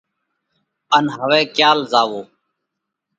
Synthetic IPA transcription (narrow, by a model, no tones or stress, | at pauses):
ənɦəʋɛːkjaːlzaːʋoː